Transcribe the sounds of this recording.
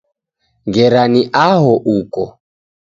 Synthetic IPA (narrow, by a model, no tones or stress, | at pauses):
ŋɡɛɾaniʔaɦɔʔukɔ